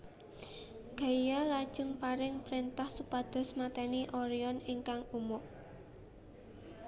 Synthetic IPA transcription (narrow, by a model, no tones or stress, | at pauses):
ɡ̥a̤ijalad̥ʒ̥ʊ̤ŋpaɾɪŋpɾint̪ahsupad̪̥ɔ̤smat̪ɛniʔɔɾiɔniŋkaŋumʊʔ